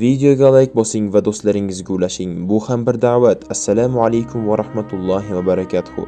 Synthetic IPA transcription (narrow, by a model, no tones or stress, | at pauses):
vid̪eo̞ɡʲalˠajɪk̚ʲbɒsɪŋvad̪ost̪laɾɪŋɪzɡʲʊlaʃɪŋbʊhambɪɾd̪avat̪ʰasːalamalajkʲʰʊmvaɾahmat̪ʰʊlˠːɒɦɪvabaɾɑkʲʰat̪ʰʊ̥hʊ̰